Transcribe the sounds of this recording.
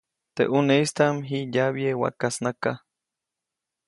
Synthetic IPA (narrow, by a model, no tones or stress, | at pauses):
t̪ḛʔuneist̪amɦijaβiewa̰kasnaka